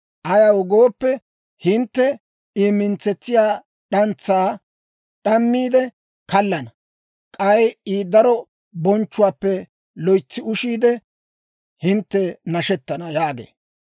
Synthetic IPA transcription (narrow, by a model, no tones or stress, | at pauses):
ʔɐjawɔɡoːpːɛ | hɪnt̪ːɛ | iːmːɪnt͡sːɛt͡sːɪjaː | ɗɐnt͡sːaː | ɗɐmːiːd̪ɛ | kɐlːɐnɐ | kʼɐjiːd̪ɐɾɔ | bɔnt͡ʃːʊwaːpːɛ | lɔjt͡sːɪʊʃiːd̪ɛ | hɪnt̪ːɛnɐʃɛt̪ːɐnɐjaːɡḛː